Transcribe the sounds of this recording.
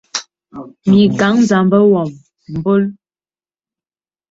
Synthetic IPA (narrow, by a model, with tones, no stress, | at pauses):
mi˨ɡa˨˦ŋn˦˨d͡za˨˦mbə˦wɔ˨m | m̩˨bo˦l